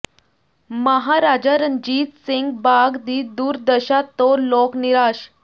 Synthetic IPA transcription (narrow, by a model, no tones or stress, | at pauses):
məɦaɾad͡ʑaɾənd͡ʑiːt̪siŋɡbaɡd̪iːd̪uːɾd̪əɕat̪ːɔlokniɾaɕ